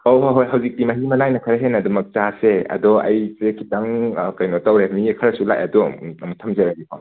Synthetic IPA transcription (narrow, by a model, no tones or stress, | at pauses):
oɦoɦojɦɐwzikktimɐɦimɐnajnɐkʰɐɾɐɦenɐdumɐk̚taseɐ̰dɔɐ̰jsekʰitaŋkɐjnɔtawɾenikʰɐɾɐsula̰jɐdɔɐmutʰɐmzɐɾaɡipʰa̰w